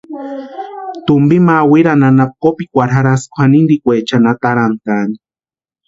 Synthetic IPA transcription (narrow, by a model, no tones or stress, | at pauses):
t̪umbimawiɾananap̚kopikʷaɾɦaɾaskʷʰanind̪ikʷet͡ʃanat̪aɾant̪ani̥